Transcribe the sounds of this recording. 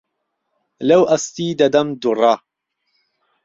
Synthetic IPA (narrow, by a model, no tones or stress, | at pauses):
lɐwʔɐst̪iːd̪ɐd̪ɐmd̪urˤɑ